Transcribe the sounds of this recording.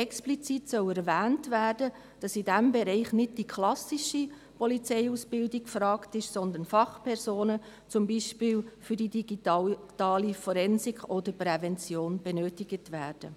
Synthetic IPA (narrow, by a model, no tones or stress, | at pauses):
ɛksplit͡sitsœwɛɾvæːntvæːrd̥ə | d̥ɑsidɛmbɛɾɛɪχnɪd̚d̥ikʰlɑsiʃi | pʰɔlit͡sɛɪusb̥ɪldɪkfɾɑːktɪʃsɔnd̪ənfɑχpʰɛɾzoːnə | t͡sʊmbiːʃpɪːlfʏdidiɡitɑːlifɔɾɛnsɪkɔd̥əɾprɛvɛnt͡sjoːnb̥ɛnøːtɪɡ̥ətʋæːɾd̥ə